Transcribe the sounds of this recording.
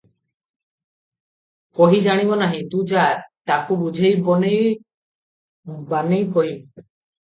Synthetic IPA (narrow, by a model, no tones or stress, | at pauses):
kɔɦid͡ʒaɽ̃ibɔnaɦĩt̪ũd͡ʒat̪akubud͡ʒʱejbɔnej | banejkɔɦi